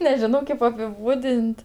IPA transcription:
nʲɛˈʒʲɪnoː ˈkʲeːp ɐpʲɪˈbuːdʲɪnʲtʲ

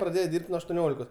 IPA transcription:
prɐˈdʲeːjɛ ˈdʲiːrʲpʲtʲ nuɔ ɐʃtuɔˈnʲoːlʲɪkoːs

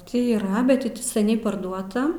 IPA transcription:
ˈtʲiː iːˈrɐ ˈbʲɛt tʲɪ ˈtʲɪ sʲɛˈnʲɛɪ pɐrˈduɔtɐ

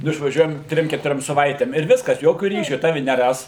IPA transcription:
nʊ ɪʃʋɐˈʒʲuɔjɛm ˈtʲrʲɪm kʲɛtʊˈrʲoːm sɐˈʋɐɪtʲeːm ɪr ˈʋʲɪskɐs ˈjoːkʲʊ ˈrʲiːʃʲʊ ˈtɑːʋʲɪ nʲɛˈrɐs

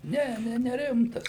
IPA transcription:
ˈnʲɛ ˈnʲɛ nʲɛˈrʲɪmtɐs

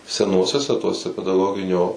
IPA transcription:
sʲɛˈnuɔsʲuɔsʲɛ ˈtuɔsʲɛ pʲɛdɐˈɡoːɡʲɪnʲoː

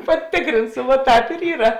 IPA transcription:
pɐˈtʲɪkrʲɪnsʊ ʋuɔ ˈtɑːp ɪr ˈiːrɐ

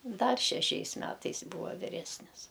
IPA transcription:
ˈdɐr ʃʲɛˈʃʲɛɪs ˈmʲæːtɐɪs ˈbuːʋɐ ʋʲɪˈrʲæːsʲnʲɪs

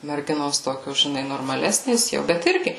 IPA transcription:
mʲɛrʲˈɡʲɪnoːs ˈtoːkʲoːs ʒʲɪˈnɐɪ noːrmɐˈlʲæːsʲnʲeːs ˈjɛʊ bʲɛt ˈɪrʲɡʲɪ

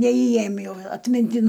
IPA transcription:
nʲɛiːˈeːjɪm jɛʊ ɐtʲmʲɪnʲˈtʲɪn

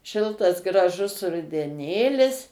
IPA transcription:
ˈʃʲɪlˠtɐs ɡrɐˈʒʊs rʊdʲɛˈnʲeːlʲɪs

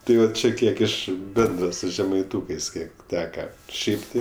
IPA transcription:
ˈtɐɪ jɛʊ ˈt͡ʃʲɛ ˈkʲiɛk ˈɪʃ ˈbʲɛndrɐ sʊ ʒʲɛmɐɪˈtuːkɜs ˈkʲiɛk ˈtʲæːkɐ ˈʃʲɛɪp tʲɪ

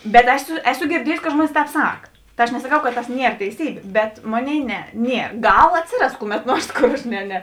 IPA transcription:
bʲɛt ˈæːˌsʊ ˈæːˌsʊ ɡʲɪrʲˈdʲiɛjʊsʲɪ kɐt ˈʒmuɔnʲɪs ˈtʲɛːp ˈsɐk ˈtɐ ɐʃ nʲɛsɐˈkɐʊ kɐt tɐs ˈnʲiɛr tʲɛɪˈsʲiːbʲeː bʲɛt ˈmoːˌnʲeːɪ ˈnʲɛ ˈnʲiɛ ˈɡɐlˠ ˈɑːtʲsʲɪˌrɐs ˈkʊˌmʲɛt ˈnuɔrs ˈkoːr ɐʃ ˈnʲɛ nʲɛ

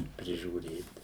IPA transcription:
pʲrʲɪʒʲuːˈrʲeːt

